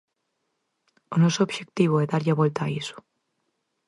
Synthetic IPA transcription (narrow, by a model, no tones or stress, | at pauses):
onosobʃek̚t̪iβ̞oeðaɾʎaβwelt̪aːiso̥